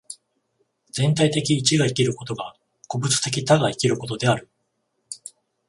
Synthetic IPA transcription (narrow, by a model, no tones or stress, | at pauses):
d͡zẽ̞nt̪ait̪e̞kʲiːt͡ɕiɡaikʲiɾɯ̟ko̞t̪o̞ɡa | ko̞bɯ̟t͡sɨ̥t̪e̞kʲit̪aɡaikʲiɾɯ̟ko̞t̪o̞d̪e̞aɾɯ̟